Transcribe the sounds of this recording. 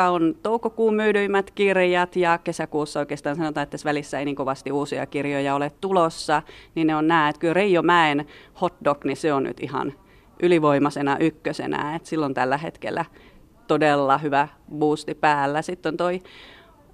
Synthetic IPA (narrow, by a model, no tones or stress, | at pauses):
ɑont̪oukokuːmmyːɾyimːæt̪kirjɑt̪jɑkesækuːsːɑoikeːst̪ɑːnsɑnot̪ɑːet̪ːæsʋælisːæeiniŋkoʋɑst̪iuːsiɑ̰kirjojɑolet̪t̪ulosːɑninneonnæːet̪kylreijomæenhot̪dokniseonny̰t̪ḭhɑ̰n | ʔyliʋoimɑsenɑʔykːøsḛnæ̰et̪silːont̪ælːæhḛt̪kḛlːˑæ | t̪odelːɑhyʋæbuːst̪ipæːlːæsit̪ːont̪oi